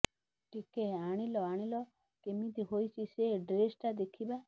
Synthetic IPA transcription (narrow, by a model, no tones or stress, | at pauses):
ʈikeaɽ̃ilɔaɽ̃ilɔ | kemit̪iɦojt͡ʃʰiseɖɾesʈad̪ekʰiba